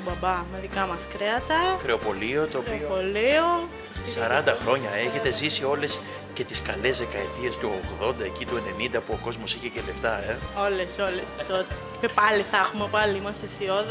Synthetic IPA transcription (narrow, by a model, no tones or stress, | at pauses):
bɐbɐmeðikɐmɐskɾeɐt̪ɐxɾeopo̞lio̞t̪oːpipolio | sɐɾɐnd̪ɐxɾo̞ɲɐe̞çe̞t̪e̞zisio̞le̞s | ce̞t̪iskɐle̞zðe̞kɐet̪ie̞st̪uoɣðo̞nd̪ɐe̞cit̪ue̞ne̞nind̪ɐpuo̞ko̞zmo̞siçe̞cele̞ft̪ɐeo̞leso̞lest̪ot̪e | epɐliθɐxumepɐliimɐst̪esioð